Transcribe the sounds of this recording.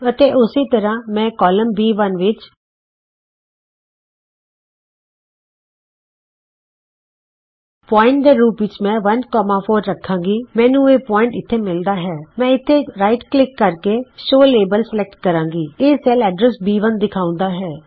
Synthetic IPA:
ət̪eːʔʊsiːt̪əɾãːmɛ̃ːkɔːləmbiːʋənʋɪt͡ʃ | pɔːɪ̃ɳʈ̚d̪eːɾuːpʋɪt͡ʃmɛ̃ːʋənkɔːmãːpʰoːɾːəkʰːãːŋɡiːmɛ̃ːnũːeːpɔːɪ̃ɳʈɪt̪ʰːeːmɪld̪aːɦɛːmɛ̃ːɪt̪ʰːeːɾaːɪʈklɪkːəɾkeːʃoːleːbəlsəlɛk̚ʈkəɾãːŋɡiːeːsɛlɛːɖɾəsbiːʋənd̪ɪkʰaːʊ̃nd̪aːɦɛː

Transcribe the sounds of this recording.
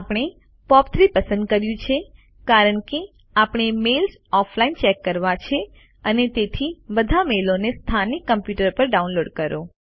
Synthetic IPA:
apɳ̃e | pɔpt̪ʰɾipəsə̃nd̪̚kəɾjũt͡ʃʰe | kaɾəɳke | apɽ̃emels | ɔfʰlaint͡ʃɛkːəɾʋat͡ʃʰe | ənet̪et̪ʰibəd̪ʱamelonest̪ʰanikːəmpjuʈəɾpəɾɖaũnloɖkəɾo

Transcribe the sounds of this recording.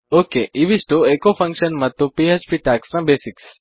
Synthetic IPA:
okeʔiʋisʈoekofə̃ŋkʃənmə̃t̪opiet͡ʃpiʈaksnãbesiks

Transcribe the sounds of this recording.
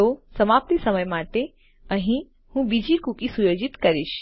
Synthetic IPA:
osəmaːp̚t̪isəməjmaːʈe | əɦĩ | hũbid͡ʒikukisujoːd͡ʒɪt̪kəɾiʃ

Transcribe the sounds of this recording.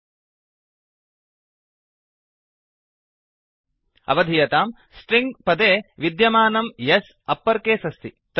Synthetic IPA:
ɐ̰ʋɐd̪ʱijɐt̪aːm | sʈɾiŋɡpɐd̪eːʋid̪jɐmaːnɐmjɐs | ɐpːɐɾkeːsɐst̪ʰit̪

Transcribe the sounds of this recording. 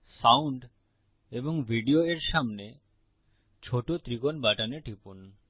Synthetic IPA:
sawuɳɖ | eboŋbʱiɖioeɾʃamne | t͡ɕʰoʈot̪ɾikonbaʈaneʈʰipun

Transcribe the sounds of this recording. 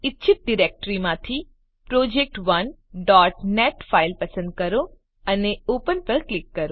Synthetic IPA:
ɪtːʃʰɪt̪̚ɖiɾek̚ʈɾimãt̪ʰi | pɾod͡ʒek̚ʈʋən | ɖɔʈneʈfʰailpəsə̃nd̪̚kəɾo | əneopənpəɾklɪkːəɾo

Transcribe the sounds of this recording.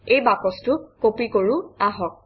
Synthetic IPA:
ejbakɔstʊkopikoɹuaɦɔk̚

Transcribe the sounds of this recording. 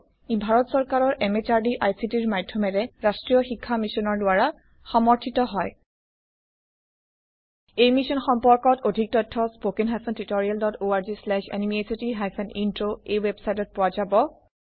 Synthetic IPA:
bʱaɹɔtsɔɹkaɹɔɹʔɛmet͡ʃaɹdiʔajsitiɹmadʱjɔmɛɹɛɹastɹijɔxikʰːamisɔnɔɹdʊaɹa | xɔmɔɹtʰitɔɦɔj | ejmisɔnxɔmpɔɹkɔtodʱik̚tɔtʰːɔspokinɦajpʰɔntɹitoɹialdɔtoaɹzislɛʃɛ̰nimiesitiɦajfʰɔnintɹoejwebsajtɔt̚pʊwazabɔ

